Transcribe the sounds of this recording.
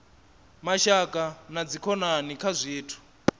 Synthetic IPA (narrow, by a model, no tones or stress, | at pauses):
maʃakʼanad͡zikʰɔnanikʰazʷiːtʰu̥